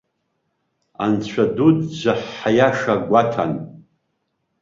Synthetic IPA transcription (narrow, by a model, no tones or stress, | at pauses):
a̰nt͡ɕʷʰadudd͡ʒʷaħːajaʂaɡʷatʰa̰n